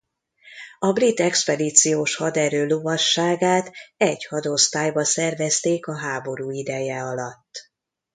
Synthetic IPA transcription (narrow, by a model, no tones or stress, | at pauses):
ɒbrit̪ːɛkspɛd̪iːt̪sijoːʃhɒd̪ɛɾøːlovɒʃːaːɡaːt̪ɛɟhɒd̪o̞st̪aːjbɒsɛrvɛst̪eːkɒɦaːbo̞ɾuːid̪ɛjɛɒlɒt̪ː